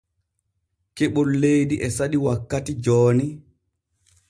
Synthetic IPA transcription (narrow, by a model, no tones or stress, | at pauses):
keɓɔlːejdiʔɛsaɗiwakːatid͡ʒɔːni